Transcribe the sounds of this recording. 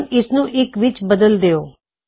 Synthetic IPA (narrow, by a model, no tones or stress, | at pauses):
nɪsnũːʔɪkʋɪt͡ʃbəd̪əld̪eoː